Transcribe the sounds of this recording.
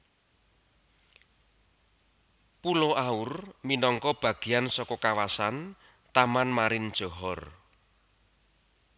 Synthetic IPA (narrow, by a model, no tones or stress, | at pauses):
puloʔaʊrminɔŋkɔb̥ä̤ɡ̥i̤jansɔkɔkawasan | t̪amanmaɾɪnd̥ʒ̥ɔ̤ɦɔr